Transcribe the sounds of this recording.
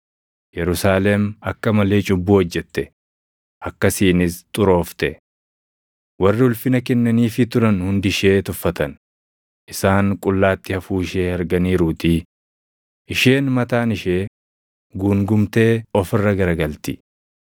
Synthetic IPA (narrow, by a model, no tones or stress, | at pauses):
jɛɾʊsaːlɛmɐkːɐmɐle̞ːt͡ʃʼʊbːuːɔd͡ʒːɛt̪ːɛ | ʔɐkːɐsiːnɪst̪ʼʊɾo̞ːft̪ɛ | wɐrːɪʊlfɪnɐkɛnːɐniːfɪt̪ʊɾɐnhʊnd̪ɪʃe̞ːt̪ʊfːɐt̪ɐn | ʔɪsaːŋkʼʊlːaːt̪ːɪhɐfuːɪʃeːhɐɾɡɐniːɾuːt̪ɪ | ʔɪʃe̞ːnmɐt̪aːnɪʃeː | ɡuːŋɡʊmt̪e̞ːɔfɪrːɐɡɐɾɐɡɐlt̪ɪ